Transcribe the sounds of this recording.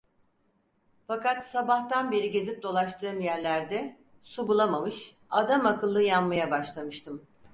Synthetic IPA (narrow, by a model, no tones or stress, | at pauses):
fakat̪sabaxt̪anbe̞ɾiɟe̞zip̚d̪o̞lˠaʃt̪ʰɯːmjæɾlʲæɾd̪ɛ | subulˠamamɯʃ | ad̪amakɯlˠːɯjanmajabaʃlˠamɯʃt̪ʰɯm